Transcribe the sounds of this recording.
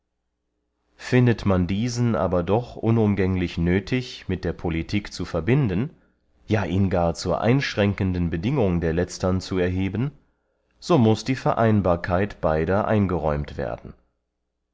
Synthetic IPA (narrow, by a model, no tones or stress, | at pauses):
fɪndətmandiːzn̩ʔa̰ːbɐdɔχʔʊnʊmɡɛŋlɪçnøːtʰɪçmɪt̚d̥eːɐpʰolitʰiːkt͡sufɛɐbɪndən | jaːʔiːnɡaːɐt͡suːɐʔa̰ɪnʃʁ̥ɛŋkəndən̩bədɪŋʊŋdeːɐlɛt͡stɐnt͡suɛɐɦeːbən | z̥oːmʊsd̥iːfɛɐʔaɪnbaːɐkʰaɪtb̥aɪɾɐʔa̰ɪnɡəʁɔʏmtv̥ḛːɐdn̩